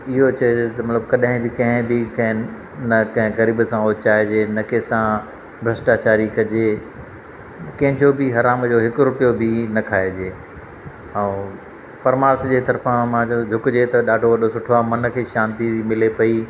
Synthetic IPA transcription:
ɪɦot͡ɕɐed͡ʑot̪ɐmɐt̪ləbkɐɗɦɪ̃bɪkɐ̃ɦɪ̃bɪkɐ̃ɦɪ̃ | nɐkɐ̃ɦɪ̃ɣɐɾiːbsãoːt͡ɕaːed͡ʑeːnɐkẽsã | bʱɾɐsʈaːt͡ɕaːɾikɐd͡ʑeː | kɐ̃ɦɪ̃d͡ʑobɪɦɐɾaːmd͡ʑoɦɪkʊɾʊpijobɪnɐkʰaːed͡ʑeː | ɛ̃ː | pɐɾmaːɾt̪ʰd͡ʑeːt̪ɐɾfãmãːt͡ɕɐt̪ʰd͡ʑʱʊkd͡ʑet̪ɐɗaːɖʱoʋɐɗʱosʊʈʰoaːmɐnkʰeːʃãːnt̪imɪlepɐi

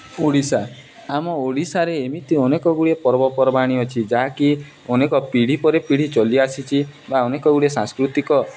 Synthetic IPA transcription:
oɽisa | amɔoɽisaɾeːmit̪iɔnekɔɡuɽiepɔɾbɔpɔɾɔbaɽ̃iɔt͡ʃʰid͡ʒaɦaki | ɔnekɔpiɽ̤ipɔɾepiɽ̤it͡ʃɔliasit͡ʃʰibaɔnekɔɡuɽiesãŋskɾut̪ikɔ

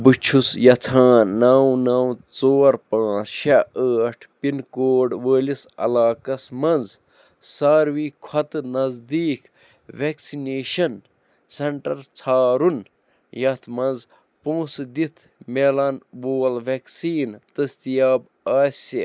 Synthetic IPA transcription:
bɨt͡ʃʰusjɐt͡sʰaːnːaːwnaːwt͡soːɾpãːt͡sʃaəːʈʰpinkoːɖʋəːlisɐ̰laːkɐsmɐnz | saːɾʋikʰɐt̪ɨnɐzd̪iːk | ʋeksineːʃɐn | sɐɳʈɐɾt͡sʰaːɾun | jɐt̪ʰmɐ̃nz | põːsd̪it̪ʰ | melɐnboːlʋeksiːnt̪ɐst̪ijaːb | aːsi

